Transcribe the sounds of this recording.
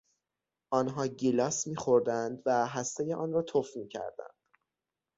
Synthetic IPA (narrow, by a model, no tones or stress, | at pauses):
ʔɒːnɦɒːɟilɒːsmiːxoɾd̪ænd̪væɦæst̪ejeʔɒːnɾɒːt̪ʰofmiːcʰæ̰ɾd̪̥æ̰nd̪̥